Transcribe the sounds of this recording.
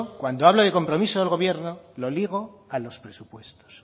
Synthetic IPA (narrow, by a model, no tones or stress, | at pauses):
kwand̪oaβloðe̞ko̞mpɾo̞misoðelɣo̞β̞jeɾnolo̞liɣ̞o̞alo̞spɾe̞supwe̞st̪o̥s